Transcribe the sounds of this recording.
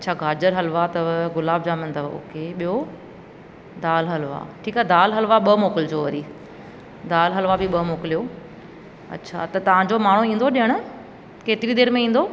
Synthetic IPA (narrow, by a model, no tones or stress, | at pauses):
ɐtːt͡ɕʰaɡaːd͡ʑəɾɦɐlʋat̪ɐɡʊlaːb̚d͡ʑaːmənt̪ɐʋo̰ːkeɓijo | d̪aːlɦɐlʋa̰ʈʰiːkad̪aːlɦɐlʋaɓɐmoːkɪld͡ʑoːʋɐɾiː | d̪aːlɦɐlʋabiɓɐmoːkɪlijo | ɐ̰tːɕʰa̰t̪ɐt̪ɐʋ̤ãɲd͡ʑomaːɳ̤uĩːn̆d̪oɗiəɽ̃ʊ̆ | keːt̪ɪɾid̪eːɾmẽĩːn̆d̪o